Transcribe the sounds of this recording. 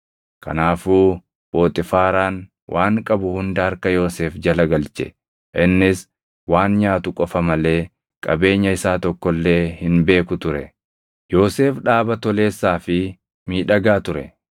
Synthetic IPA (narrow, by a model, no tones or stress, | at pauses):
kɐ̰naːfuː | bo̞ːt̪ʼɪfaːɾaːn | wʔaːŋkʼɐbʊhʊnd̪ɐhɐɾkɐjo̞ːseːfd͡ʒɐlɐɡɐlt͡ʃɛ̰ | ʔɪnːɪs | waːnɲaːt̪ʊkʼɔfɐmɐle̞ː | kʼɐbe̞ːɲːɐɪsaːt̪ɔkːɔlːe̞ːhɪnbe̞ːkʊt̪ʊɾɛ̰ | jo̞ːse̞ːfᶑaːbɐt̪ɔle̞ːsːaːfɪ | miːᶑɐɡaːt̪ʊɾɛ̰